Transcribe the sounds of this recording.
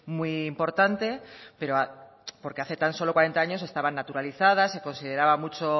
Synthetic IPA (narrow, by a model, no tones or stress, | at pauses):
mwuiːmpo̞ɾt̪ant̪e̞pe̞ɾoa | po̞ɾke̞aθe̞t̪anso̞lo̞kwaɾe̞nt̪aaɲo̞se̞st̪aβanːat̪uɾaliθað̞ase̞ko̞nsið̞e̞ɾaβamut͡ʃo